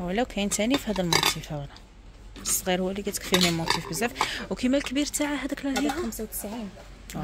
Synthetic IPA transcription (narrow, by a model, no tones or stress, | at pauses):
wəlæwkʰæjənt̪ænifihæd̪ælmot̪ʰˤifæwlæ | bəsˤːɣiɾhʊwːælikæt̪əkfililmot̪ˤifbəzːæfwkimælkbiɾt̪aʕaɦæd̪æklæihmsawt̪ə̥sʕin